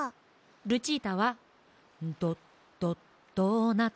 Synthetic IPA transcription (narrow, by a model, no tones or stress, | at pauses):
ɾɯ̟t͡ɕit̪aβa | nt̪o̥ | o | t̪ona